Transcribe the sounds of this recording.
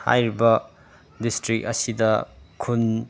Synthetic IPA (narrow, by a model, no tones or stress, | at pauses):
ha̰jɾibɐ | distɾik̚ɐsidɐkʰun